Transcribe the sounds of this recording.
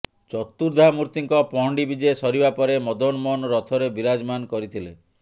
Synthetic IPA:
t͡ʃɔt̪ːuɾd̪ʱamuɾt̪iŋkɔpɔɦɔɳɖibid͡ʒesɔɾibapɔɾemɔd̪ɔnmɔnɔɾɔt̪ʰɔɾebiɾad͡ʒɔmankɔɾit̪ʰile

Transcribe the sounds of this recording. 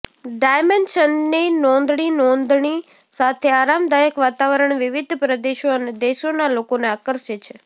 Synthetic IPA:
ɖajmenʃənːinɔnd̪ɳ̃inɔnd̪ɳ̃i | sat̪ʰeaɾamd̪ajəkʋat̪aʋəɾəɳ̃ʋiʋid̪ʱpɾəd̪eʃoəned̪eʃonalokoneakəɾʃet͡ʃʰe

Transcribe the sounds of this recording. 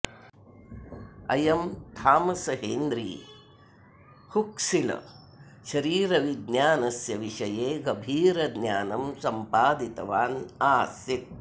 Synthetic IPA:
ɐ̰jɐmt̪ʰaːmɐsɐɦeːnd̪ɾḭː | hukʂilɐ̰ | ʃɐɾiːɾɐʋid̪njaːnɐsjɐʋiʂɐjeːɡɐbʱiːɾɐd̪nʲjaːnɐmsɐmpaːd̪it̪ɐʋaːnaːsjit̪̚

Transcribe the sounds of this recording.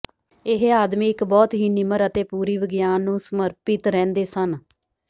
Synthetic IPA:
ɪɦaːd̪miːɪkbɔːt̪ɦiːnɪməɾət̪eːpuːɾiːʋɪɡjaːnːũːsəməɾpɪt̪ɾɛ̃ːnd̪eːsən

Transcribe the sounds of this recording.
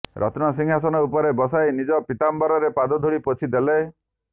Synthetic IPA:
ɾʔɔ̰t̪nɔsiŋɦas̬ɔnɔupɔɾebɔsajnid͡ʒɔpit̪ambaɾɔɾepad̪ɔd̪ʱoɽipot͡ʃʰid̪ele

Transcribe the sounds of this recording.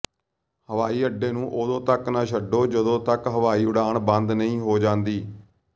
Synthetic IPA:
həʋaːiːəɖːeːnũːʔod̪õːt̪əknaːʃəɖoːd͡ʒəd̪õːt̪əkɦəʋaːiːʊɽaːɳbənd̪nəĩːɦoːd͡ʒãːnd̪iː

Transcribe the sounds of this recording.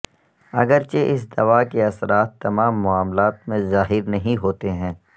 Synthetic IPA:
ɐɡəɾt͡ʃeʔɪs̬d̪ɐʋaːkeɐsɾaːt̪ːɐmaːmːʊaːmlaːt̪̚mẽzaːɦɪɾnɐɦĩɦoːt̪eɦɛ̃ː

